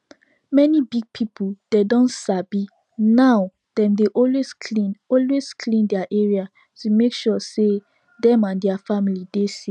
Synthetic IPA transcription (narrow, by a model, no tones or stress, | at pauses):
mɛnibiɡ̚pʰipʰud̥edɔ̃nsabi | naw | d̥ɛ̃mdeʔɔlweskʰlĩnɔlweskʰlĩndɛaʔɛɹia | tumekʃɔse | dɛ̃mãndɛafamilidesi